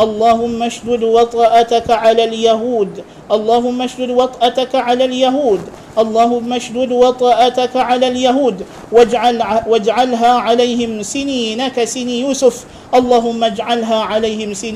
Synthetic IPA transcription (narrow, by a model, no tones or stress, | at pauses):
ʔɑlˤːɑːɦʊmːaʃd̪ʊd̪wɑt̪ˤɑːʔat̪akaʕalaːljaɦuːd̪ | ʔɑlˤːɑːɦʊmːaʃd̪ʊd̪wɑt̪ˤʔat̪akaʕalaːljaɦuːd̪ | ʔɑlˤːɑːɦʊmːaʃd̪ʊd̪wɑt̪ˤɑːʔat̪akaʕalaːljaɦuːd̪ | ʕwad͡ʒʕalɦaːʕalajhɪmsɪniːnakasɪnijuːsʊf | ʔɑlˤːɑːɦʊmːad͡ʒʕalɦaːʕalajhɪmsɪn